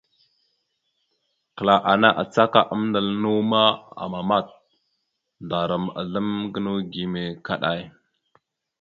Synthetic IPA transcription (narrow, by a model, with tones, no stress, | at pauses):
kə˨la˨ʔa˨na˦ʔa˨t͡sa˦ka˨ʔə˦mnda˨lnu˦ma˦a̰˨ma˨ma˦˨t̚ | da˨ɾa˨ma̰˨ɮə˦mɡə˦nu˦ɡi˨me˨ka˦ɗa˦˨j